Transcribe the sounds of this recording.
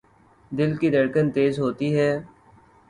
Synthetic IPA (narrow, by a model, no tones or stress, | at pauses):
d̪ɪlkid̪əɾkənt̪eːzɦoːt̪iɦɛː